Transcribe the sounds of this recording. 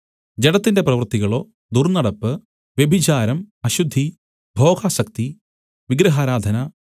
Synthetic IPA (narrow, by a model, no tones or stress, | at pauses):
d͡ʑeɽɐt̪ːinde̞prɐʋɐrt̪iɣɐɭo̞ː | d̪urnɐɽɐpːɨ | ʋje̞bʱit͡ɕaːɾɐmɐɕud̪ʱːi | bʱo̞ːɡaːɕɐk̚t̪i | ʋiɡɾɐɦaːɾaːd̪ʱɐnɐ